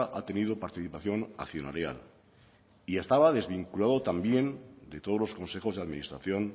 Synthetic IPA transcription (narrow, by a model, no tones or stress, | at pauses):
ʔat̪e̞nið̞opaɾt̪iθipaθjo̞na̰kθjona̰lja̰l | iest̪aβaðe̞zβiŋkulaðo̞t̪ambje̞nd̪e̞t̪olo̞sko̞nse̞xo̞zðeaðminist̪ɾa̰θjo̞n